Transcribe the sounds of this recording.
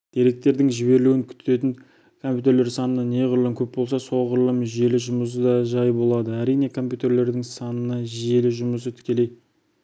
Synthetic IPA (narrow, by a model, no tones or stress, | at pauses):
d̪̥e̞ɾe̞k̚t̪e̞ɾd̪ɪŋʒɪbe̞ɾɪluwɪŋkʲʰʏ̥t̪ʰe̞t̪ɪŋ | kʰo̞mpʲjut̪e̞ɾle̞ɾsɑnənɑne̞ʁʊɾlˠəŋkʲʰɵp̚bo̞lˠsɑso̞lˠʁʊɾlˠəmʒe̞lɪʒʊməs̬əd̪ɑʒɑjbo̞lˠɑd̪əæɾijne̞kʰo̞mpʲjut̪e̞ɾle̞ɾd̪ɪŋsɑnənɑʒe̞lɪʒʊməs̬ət̪ʰʏ̥kʲe̞le̞j